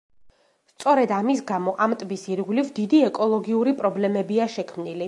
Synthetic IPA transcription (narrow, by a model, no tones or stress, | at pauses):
st̪sʼɔɾɛd̪amisɡamɔʔamt̪ʼbisiɾɡwlivd̪id̪iɛkʼɔlˠɔɡiuɾipʼɾɔblɛmɛbiaʃɛkʰmnili